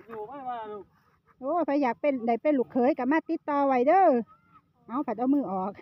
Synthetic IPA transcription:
ʔoː˧˩pʰa˧jaː˨˩k̚pe˧˩nda˨˩˦jpe˧˨nlu˨˩kʰːɤː˨˦jka˧˩maː˧˨t̪i˧˦t̪ːɔː˧wa˨˩jdɤː˧˥˨ | ʔa˧˥˨wpʰa˨˩t̪̚ʔa˧˩wmɯː˧˩ʔɔː˨˩k̚

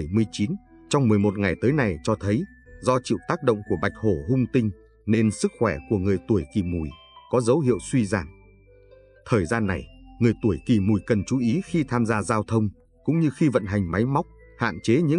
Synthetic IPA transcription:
jmɨ˧əjt͡ɕi˨˦n | t͡ɕɔ˧wŋ͡mmɨ˨˩əjmo˨˩t̚ŋa˨˩jt̪əː˨˦jna˨˩jt͡ɕɔ˧t̪ʰə˨˦j | zɔ˧t͡ɕḭ˧˨wt̪aː˦˥k̚ɗo̰˧˨wŋ͡mku˧˩əɓa˨˩jk̚ho˧˩ɦʊ˧ŋ͡mt̪ï˧ŋ̟ | ne˧nsɨ˦˥k̚xwɛ˧˩ku˧˩əŋɨ˨˩əjt̪u˧˩əjki˨˩mṵ˨˩j | kɔ˨˦zə˨˦wɦḭ˧˨ə˨wswi˧zaː˧˩ŋ | t̪ʰəː˨˩jzaː˧nːa˨˩jŋɨ˨˩əjt̪u˧˩əjki˨˩mu˨˩jkə˨˩nt͡ɕu˨˦ʔi˨˦xi˧t̪ʰaː˧mzaː˧zaː˧wt̪ʰə˧wŋ͡m | kʊ̰˧˥ŋ͡mɲɨ˧xi˧və̰˧˨nɦa˨˩jŋ̟ma˨˦jma˦˥wk͡p̚ | ha̰ː˧˨nt͡ɕe˨˦ɲɨ̰˧˥

